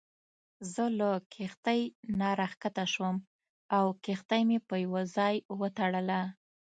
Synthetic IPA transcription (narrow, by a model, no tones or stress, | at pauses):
zələkʰext̪ajnɑɾaxkat̪aʃwəm | awkext̪ajmepəjawazɑjwət̪aɽəla